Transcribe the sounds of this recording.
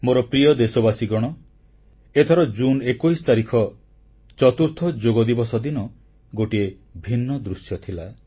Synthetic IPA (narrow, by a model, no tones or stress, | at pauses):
moɾɔpɾiɔd̪esɔbasiɡɔɽ̃ɔ | et̪ʰɔɾɔd͡ʒunekujsɔ̥t̪aɾikʰɔ | t͡ʃɔt̪uɾt̪ʰɔd͡ʒoɡɔd̪ibɔsɔd̪inɔ | ɡoʈie | bʱinːɔd̪ɾusjɔt̪ʰila